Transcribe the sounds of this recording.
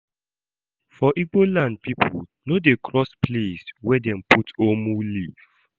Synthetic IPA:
fɔʔibolãnd̚pipʰṵlnodekʰɹɔspleswɛdɛ̃mputomuliv

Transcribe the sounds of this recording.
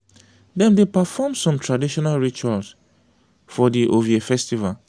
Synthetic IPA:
dɛ̃mdepafɔmsɔ̃mtʰɹadiʃɔnalɹit͡ʃuals | fɔdiʔoviefɛstival

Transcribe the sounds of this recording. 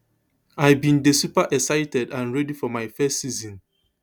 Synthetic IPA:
ajbĩndesupaʔɛksaɪtɛdãnɹɛdifɔmaɪfɛstsizɔ̃n

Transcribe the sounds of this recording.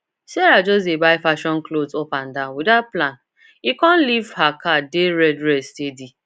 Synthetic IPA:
sɛɾad͡ʒɔsebaɪfaʃɔ̃nklozopãn̩dawidaplan | ikɔ̃n̩livhakadeɾɛdɾɛstedi

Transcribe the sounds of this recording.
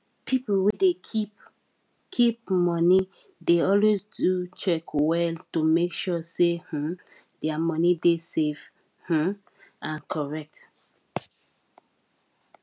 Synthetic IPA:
pʰiplwede | kʰip̚mɔni | deɔlwezdut͡ʃɛkwɛltumekʃɔseh̩ | dɛamɔnidesev | h̩ | ãnkʰɔɹɛk̚t

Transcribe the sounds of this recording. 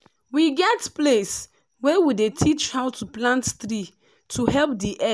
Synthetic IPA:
wiɡɛtples | wɛwidetʰit͡ʃhaʊtʰuplãntθɾi | tʰuɦɛlp̚diʔɛ

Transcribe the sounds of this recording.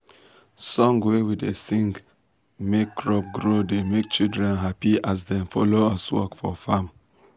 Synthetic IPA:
sɔ̃ŋɡwewidesĩŋɡ | mekːɹɔp̚ɡɹodemek̚t͡ʃildɹɛ̃nɦapiʔas̬dɛ̃mfɔloaswɔ̰kfɔ̰fam

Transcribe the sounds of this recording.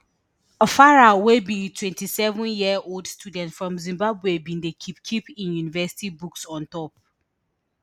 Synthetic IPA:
ɔfaɹawebĩtʰwɛ̃ntisɛvɔ̃njiɛʔoldstʰjudɛ̃ntfɹɔ̃mzĩmbabwebĩndekʰipkʰipĩnjunivɛsi̥tibuksɔ̃ntɔp̚

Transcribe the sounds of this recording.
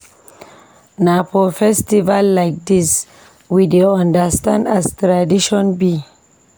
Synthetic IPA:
napɔfɛstivalːajk̚dis | wideoãndastãndastɾadiʃɔ̃nbi

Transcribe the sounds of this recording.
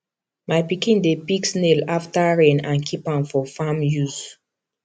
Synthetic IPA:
majpikĩndepiksnelaftaɹɛ̃nãnkʰipãnfɔfamjuz

